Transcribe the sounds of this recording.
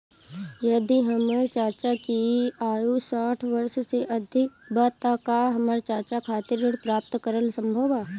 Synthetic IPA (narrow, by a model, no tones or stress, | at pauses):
jɐd̪iɦɐməɾt͡ʃaːt͡ʃakiaːjusaːʈʰʋəɾʃseʔəd̪ʱɪk̚baːt̪akaɦɐməɾt͡ʃaːɾt͡ʃakʰaːt̪ɪɾɪɽpɾaːp̚t̪kəɾənsə̃mbʱəʋaː